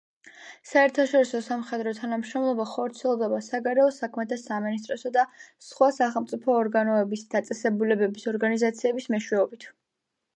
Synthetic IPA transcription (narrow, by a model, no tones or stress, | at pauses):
saɛɾt̪ʰaʃɔɾisɔsamχɛd̪ɾɔt̪ʰanamʃɾɔmlˠɔbaχɔɾt̪sʰiɛlˠd̪ɛbasaɡaɾɛɔsakʰmɛt̪ʰasaminist̪ʼɾɔsad̪asχwasaχɛlˠmt̪sʼipʰɔːɾɡanɔɛbisd̪at̪sʼɛsɛbulɛbɛbisɔɾɡanizat̪sʰiɛbismɛʃwɛɔbit̪ʰ